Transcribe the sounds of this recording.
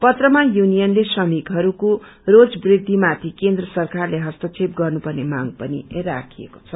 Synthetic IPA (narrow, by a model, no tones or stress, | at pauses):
pʌt̪rʌmajunijʌnlesʌmikɦʌɾuko | rod͡zbrid̪ʱːimat̪ʰikend̪rʌsʌrkarleɦʌst̪ʌt͡sʰep̚ɡʌrnupʌrnemaŋɡpʌnirakʰijḛko̥t͡sʰʌ